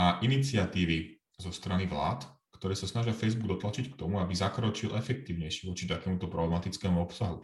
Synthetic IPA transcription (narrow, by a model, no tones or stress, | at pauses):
aʔinit͡sɪat̪iːʋi | zɔst̪ɾaniʋla̰ːt̪kt̪ɔɾɛːsasnaʒɪafɛjzbuɡ̚d̪ɔt̪lat͡ʃickt̪ɔmuabizakɾɔt͡ʃilʔɛfɛk̚t̪iːʊɲɛjʃiʋɔt͡ʃit̪akɛːmut̪ɔpɾɔblɛmat̪it͡skɛːmuɔpsaɦṵ